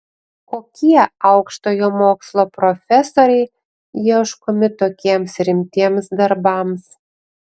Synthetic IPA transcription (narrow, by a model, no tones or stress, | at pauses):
kokʲiɛɑʊkʃt̪ojɔmoːkslˠopɾofʲesoɾʲɛɪ | jiɛʃkomʲɪt̪okʲiɛmsɾʲɪmʲt̪ʲiɛmsd̪ɐɾbɑms